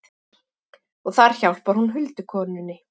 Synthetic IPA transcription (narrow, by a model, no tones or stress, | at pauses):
ɔɣθaɾ̥çawl̥pvaɾ̥hunɦʏlt̪ʏkʰɔːnʏnːɪ